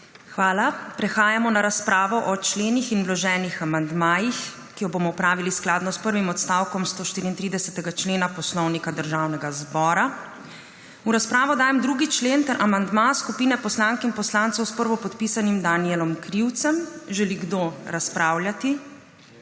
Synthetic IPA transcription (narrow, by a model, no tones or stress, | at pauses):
xʋaːlapɾɛxaːjamɔnaɾaspɾaːʋɔʔɔt͡ʃleːnixinʋlɔʒɛːnixamand̪maːjix | kijɔbomɔwpɾaːʋilisklaːd̪nɔspəɾʋimɔt̪st̪aːwkɔmst̪oːʃt̪iːɾiːnt̪ɾiːd̪ɛsɛt̪ɛɡat͡ʃleːnapɔslɔwnikad̪əɾʒaːwnɛɡazbɔːɾa | uɾaspɾaːʋɔd̪aːjɛmd̪ɾuːɡit͡ʃleːnt̪ɛɾʔamand̪maskupiːnɛpɔslaːŋkinpɔslaːnt̪sɔwspəɾʋɔpɔt̪piːsanimd̪aniɛlɔmkɾiwt̪sɛmʒɛliɡd̪oːɾaspɾʔaːwljat̪i